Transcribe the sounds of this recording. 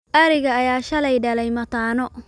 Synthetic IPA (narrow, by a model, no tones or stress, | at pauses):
ʔɐɾɪɣɐːjaːʃɐlɛjɖɐlɛjmɐt̪ʰaːnɔ